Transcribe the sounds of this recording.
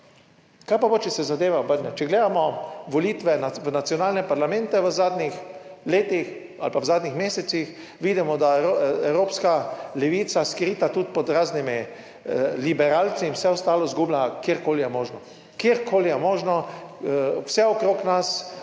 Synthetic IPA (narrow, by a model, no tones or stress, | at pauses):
kajpabot͡ʃɛsɛzad̪eːʋaobəɾnɛt͡ʃɛɡleːd̪amɔʋɔliːt̪ʋɛnaʋənat̪sjɔnaːlnɛpaɾlamɛ̃nt̪ɛʋəzaːd̪nix | leːt̪ix | a̰lpaʋzaːd̪nʲixmeːsɛt̪six | ʋiːd̪imɔd̪aɛwɾoːpskalɛʋiːt̪saskɾiːt̪at̪ut̪pɔd̪ɾaːznimi | libɛɾaːlt̪siwsɛɔst̪aːlɔzɡublakjiɾkoːlijɛmoːʒnɔ | keɾkʰoːlijɛmoːʒnɔ | wsɛɔkɾoːknas